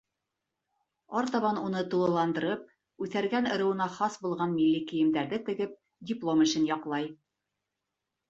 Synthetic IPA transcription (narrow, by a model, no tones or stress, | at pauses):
ɑɾt̪ɑβɑnunɤt̪ulˠɤ̆lˠɑnd̪ɤ̆ɾɤp̚ | ʉθæɾɡænɤ̆ɾɤ̆wɤ̆nɑχɑsbulˠʁɑnmilːikɘ̆jɘ̆md̪æɾðɘt̪ɘ̆ɡɘp̚ | dʲɪplˠomɘ̆ʃɘnjɑqlˠɑj